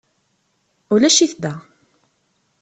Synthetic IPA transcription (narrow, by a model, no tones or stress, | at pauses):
ʊlæʃiθd̪æ